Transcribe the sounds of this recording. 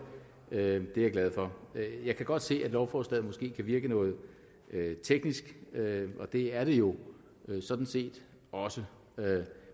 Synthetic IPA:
ød̥e̝äɡ̥læð̞ˠfɒ̽jɑ̈ɪkʰæɡ̥ɒ̽d̥se̝̰ːæd̥lɒʊfɒsd̥ɛð̩ˠmɒ̽sɡ̥e̝̰ːkʰæʋiɐɡ̥ənɔ̽ːð̞̩ˠ | ʔøt͡sʰeɡ̥nisɡ̥øɒ̽d̥e̝æɐɾ̥e̝jo̝ | sɒ̽d̥n̩se̝̰ːd̥ | ɒ̽sə | ø

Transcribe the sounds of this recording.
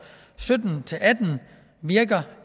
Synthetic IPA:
sød̥n̩t͡sʰe̝læd̥n̩ | ʋiɐɡ̥ɐ

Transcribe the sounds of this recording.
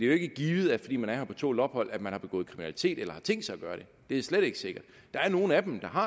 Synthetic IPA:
d̥e̝joe̝ɡ̥əɡ̥iːʋð̞̩ˠæfɒdḭːmænæɐhɐpʰɒ̽t͡sʰo̝̰ːlɒ̽b̥hɒ̽l̰æ̥mænhɑ̈b̥e̝ɡ̥ɔ̰ːð̩ˠkʰʁiminæli̥t͡sʰe̝̰ːd̥elɐhɑ̈t͡sʰeŋ̰d̥sɑ̈ɪæɡ̥ɶːɐɾ̥e̝ | d̥e̝æsleɾ̥e̝ɡ̥əse̝ɡ̥ɐd̥ɑ̈æɐno̝ːn̩æd̥emd̥ɑ̈ɦɑ̈

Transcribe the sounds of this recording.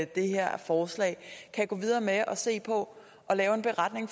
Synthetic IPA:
d̥e̝heɐ̰fɒːslɛ̰ɪkʰæɡ̥ɔ̰ːʋið̞ˠɐːmeʔɒ̽se̝̰ːpʰɒ̽ | ʔɒ̽lɛːʊe̝nb̥e̝ʁɑ̈d̥ne̝ŋf

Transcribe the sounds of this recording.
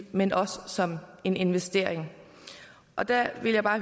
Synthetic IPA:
menʔɒ̽səsɒ̽me̝ne̝nʋesd̥e̝ɐ̰eŋ | ʔɒ̽d̥æʋe̝ljäɪb̥ɑ̈ː

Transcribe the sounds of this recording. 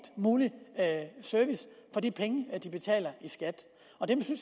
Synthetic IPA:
d̥muːli | søɐʋisfɒ̽d̥ipʰeŋəd̥ib̥e̝t͡sʰɛ̰ːlɐʔisɡ̥æd̥ | ɒ̽d̥emsyns

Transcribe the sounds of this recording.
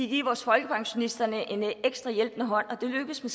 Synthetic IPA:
iɡ̥iɐʋɒːsfɒ̽lɡ̥əpʰɑ̈ŋɕo̝nisd̥ɐnəʔe̝neɡ̥sd̥ʁɑ̈jelb̥nəɦɒ̽n̰ɒ̽d̥e̝løɡ̥əðˠsmes

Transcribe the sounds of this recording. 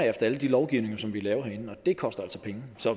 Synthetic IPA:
efd̥ɐæləd̥ilɒʊɡ̥iʊne̝ŋɐsɒ̽mʋilɛːʊɐhenn̩ɒ̽d̥e̝kʰɒ̽sd̥ɐæl̰sɒ̽pʰeŋəsɒ̽

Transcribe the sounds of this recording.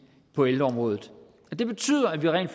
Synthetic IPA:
pʰɒ̽eld̥ɐɒ̽mʁɔ̽ːðð̩ˠ | ɒd̥e̝b̥e̝t͡sʰy̰ːð̞̰ˠɐæʋiʁɛ̰ːnl̥f

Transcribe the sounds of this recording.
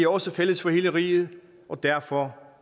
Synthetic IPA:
ɒ̽səfel̰əsfɒ̽he̝ːləʁḭːð̞̩ˠ | ʔɒ̽d̥æɐ̰fɒ

